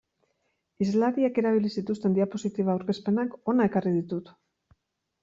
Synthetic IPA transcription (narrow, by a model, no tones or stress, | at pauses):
izlaðiake̞ɾaβ̞ilisit̪ust̪e̞nd̪iapo̞sit̪iβ̞aːwɾke̞spe̞nako̞nae̞karið̞it̪ut̪